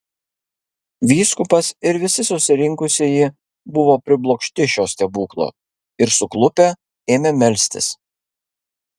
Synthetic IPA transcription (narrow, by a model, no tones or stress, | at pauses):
ʋʲiːskʊpɐsɪɾʋʲɪsʲɪsʊsʲɪɾʲɪŋkʊsʲeːji | bʊʋoːpʲɾʲɪblˠoːkʃʲt̪ʲɪʃʲoːsʲt̪ʲɛbuːklˠo̰ː | ɪɾsʊklˠʊpʲɛ | eːmʲemʲɛlʲsʲt̪ʲɪ̰s